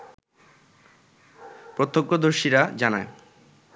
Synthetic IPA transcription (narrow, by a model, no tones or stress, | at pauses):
pɾot̪ʰːokːod̪oɾʃiɾad͡ʑanae